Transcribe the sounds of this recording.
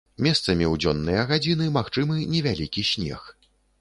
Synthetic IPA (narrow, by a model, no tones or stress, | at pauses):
mʲɛst̪sɐmʲiwd͡zʲɔnːɨjɐɣad͡zʲinɨmaxt͡ʂɨmɨnʲɛvʲalʲikʲiɕʲnʲɛ̰x